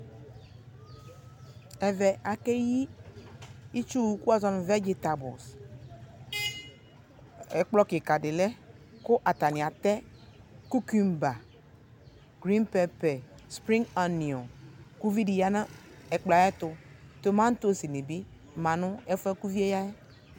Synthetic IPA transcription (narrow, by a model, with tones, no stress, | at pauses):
ɛ˨vɛ˨a˨ke˦ji˦ | i˦t͡ʃu˦˨ku˦a˦zɔ˨˦n˨vɛ˦d͡ʒi˨t̪a˨bʊ̰˨s | ɛ˨k͡plɔ˦ke˨ka˨dɪ˨lɛ˦kʊ˦ʔa˨ta˨nĩ˨a˨t̪ɛ˦ | ku˦ki˦mba˨ | ɡ̥ɾĩ˦npɛ˦pɛ˨spɾĩ˦ŋɡa˨nĩ˨ɔ˨ku˦vi˦di˨ja˦na˦ | ɛ˨k͡pla˨jɛ˦tʊ˨to˨mã˦n̩˦to˦˨si˨ne˨bi˦ | mã˨nʊ˦ɛ˦fɛ˦ku˦vi˦e˦ja˦jɛ˦